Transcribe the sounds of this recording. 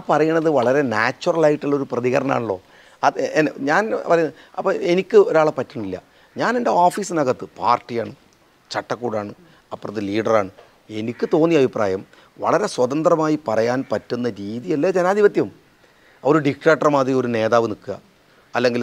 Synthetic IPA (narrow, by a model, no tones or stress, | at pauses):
apɐrɐjuɳːɐðɨʋɐɭɐɾe̞naːt͡ɕːurɐɭaːjiʈːuɭːɐo̞ɾuprɐðiɣɐɾɐɳa̰ːɳuɭːo̞ː | ɐenɲaːnpɐrɐjunɐɐpːɐenikʲːɨo̞ɾaːɭepɐtːuɳːilːɐ̰ | ɲaːne̞nde̞oːfiːsɨnɐɣɐt̪ːɨpaːrʈːijaːɳɨ | t͡ɕɐʈːɐkːuːɽaːɳɨ | ɐpːorɐðɨliːɖɐraːɳɨ | e̞nikʲːɨt̪o̞ːnːijɐbʱipra̰ːjɐm | ʋɐ̰ɭɐɾe̞swɐðɐnd̪rɐmaːjipɐrɐjaːnpɐtːunːɐɾiːðijɐlːeːd͡ʑenaːd̪ʱiʋɐt̪jɐm | oɾuɖik̚ʈeːk̚ʈːɐrmaːd̪rio̞ɾune̞ːðaːʋɨnikːuɣɐ̰ː | lːe̞ŋɡil